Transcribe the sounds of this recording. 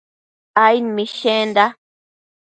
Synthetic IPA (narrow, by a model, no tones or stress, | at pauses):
ajnmĩʃẽnd̪a